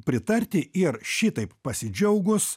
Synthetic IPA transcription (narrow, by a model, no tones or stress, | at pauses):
pʲɾʲɪt̪ɐɾʲt̪ʲɪɪrʃʲit̪ɐɪppɐsʲɪd͡ʒʲɛʊɡʊs